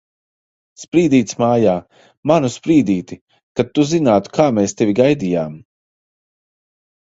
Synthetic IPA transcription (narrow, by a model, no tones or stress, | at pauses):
spɾiːd̪iːt̪smaːjaː | manuspɾiːd̪iːt̪i | kat̪ːuzinaːt̪u̥kʰaːmeːst̪evʲiɡajd̪ijaːm